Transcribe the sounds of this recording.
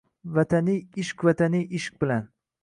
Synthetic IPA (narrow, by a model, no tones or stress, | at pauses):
vat̪ʰanɪɪʃkʲvat̪ʰaniʔɪʃk̚bɪlan